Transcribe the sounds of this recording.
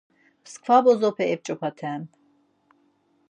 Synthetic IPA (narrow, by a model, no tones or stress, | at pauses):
skʰfabɔzɔpʰɛɛp̚t͡ʃʼɔpʰat̪ʰɛːn